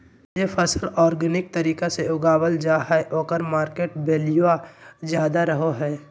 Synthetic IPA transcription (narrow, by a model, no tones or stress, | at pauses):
jepʰəsəlɔːɾɡənɪk̚t̪ɐɾiːkeseʊɡaːwəld͡ʒaːɦɛʔoːkəɾmaːɾkeːʈbeːlɪjuad͡ʒjaːd̪aɾɐɦoɦɛː